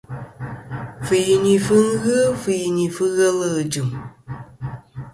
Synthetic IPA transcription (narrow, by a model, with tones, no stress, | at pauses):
fɨ˨ji˨ɲi˨fɨ˦ɣɨ˦fɨ˨ji˨ɲi˨fɨ˦ɣə˦lɨ˦ɨ˨d͡ʒɨ˨m